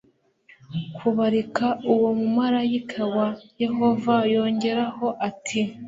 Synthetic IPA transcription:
kʰuβaɾikauwo̞mumaɾajikʰawaje̞ɦo̞vajo̞ːɲɟe̞ɾaho̞ʔatʰi

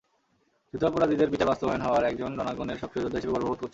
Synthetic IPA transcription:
d͡ʑut̪apoɾad̪ʱid̪eɾbiʈabast̪obaonɦɔoaɾɛk̚d͡ʑonɾɔnaɡoneɾʃɔkʰɾiod͡ʑod̪ʱaɦiʃebebɔɾboɾot̪̚koɾt͡ɕʰe

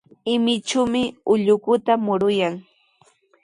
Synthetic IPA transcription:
ɪmɪt͡ʃʊmɪʊʎʊkʊt̪amʊɾʊjaŋ

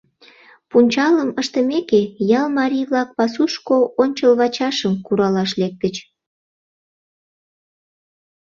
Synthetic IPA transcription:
punʲt͡ɕɑləməʃt̪əmekejɑlmɑɾʲijβlɑk̚pɑsuʃkoonʲt͡ɕəlβɑt͡ɕɑʃəmkuɾɑlɑʃlek̚t̪ət͡ɕ

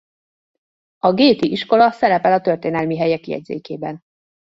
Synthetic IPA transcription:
ɒɡeːt̪iʔiʃko̞lɒsɛɾɛpɛlɒt̪ø̞rt̪eːnɛlmiɦɛjɛkijɛ̰ɟzḛːkeːbɛn

